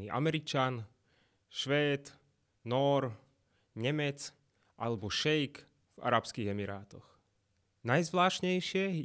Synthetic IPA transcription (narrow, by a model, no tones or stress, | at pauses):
ḭʔa̰mɛɾit͡ʃan | ʃʋɛːd̪ | nɔɾ | ɲɛmɛt͡s | ʔalɛbɔʃɛjk | v̥a̰ɾapskiːɣɛmiɾaːt̪ɔx | najzʋlaːʃɲɛjʃɪɛ